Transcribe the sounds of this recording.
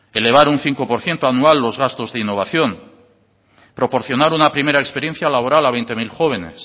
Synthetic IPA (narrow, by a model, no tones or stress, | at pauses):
e̞leβ̞aɾunθiŋko̞po̞ɾθje̞nt̪oanualːo̞zɣast̪o̞zðeinːo̞β̞aθjo̞n | pɾo̞po̞ɾθjo̞naɾunapɾime̞ɾaekspe̞ɾje̞nθjalaβo̞ɾalaβe̞jnt̪e̞milxo̞β̞e̞ne̞̰s